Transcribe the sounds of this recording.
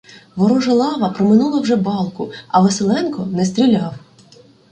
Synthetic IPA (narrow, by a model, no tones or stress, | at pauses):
ʋɔɾɔʒɐlˠɑʋɐpɾɔmɪnulˠɐwʒɛbɑlˠkʊɐʋeselˠɛnkɔnɛs̬t̪ʲɾʲilʲɑw